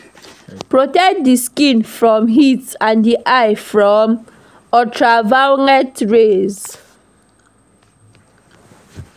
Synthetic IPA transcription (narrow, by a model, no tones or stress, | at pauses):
pɹɔtɛkdiskĩnfɹɔ̃mɦitsãndiʔajfɹɔm | ɔtʰɹavaŋɛtɹez